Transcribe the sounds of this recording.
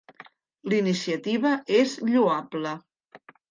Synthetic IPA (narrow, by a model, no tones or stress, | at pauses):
linisiət̪iβəʔezʎuablə